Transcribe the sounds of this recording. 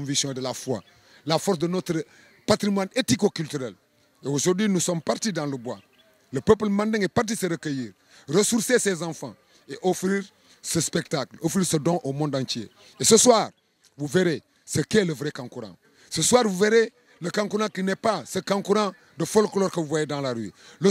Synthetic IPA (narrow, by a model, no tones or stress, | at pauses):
ɔ̃visjɔ̃edəlafwa̰ | lafɔɾs̬dənot̪ɾ | pat̪ɾimwanetikokyltyɾɛl | eoʒoɾdwinusɔmpaɾtidãləbwa | ləpəp̬lmãndĩŋepaɾt̬iseɾəkəjiːɾ | ɾəsuɾsesezãfã̰ | eʔofɾiːɾ | səspek̚taklofɾiːɾsədɔ̃ʔomɔ̃ndãnt͡ʃjḛ | esəswaːɾ | vuveɾe | səkeləvɾekãŋkuɾã̰ | səswaːɾvuveɾe | ləkãŋkuɾãkinɛpasəkãŋkuɾã | dəfolkloːɾkəvuvwajedãːlaɾy̰lə